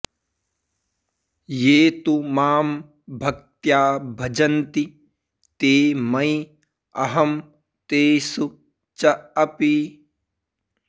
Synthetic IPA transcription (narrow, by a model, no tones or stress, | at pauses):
jeːt̪umaːm | bʱɐk̚t̪jaːbʱɐd͡ʒɐnt̪i | t̪eːmɐj | ɐɦɐm | t̪eːsu | t͡ʃɐɐpi